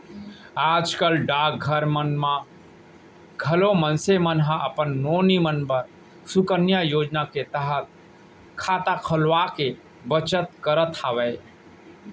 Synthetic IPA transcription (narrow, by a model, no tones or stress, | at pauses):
aːd͡ʒkəlɖaːk̚ɡʱəɾmənmã | ɡʱəlomənsemənɦãʔəpənːoːnimənbəɾ | sʊkənjajoːd͡ʒnaket̪əɦət̪̚ | kʰaːt̪akʰəlʋake | bət͡ʃət̪kəɾət̪ʰaːʋej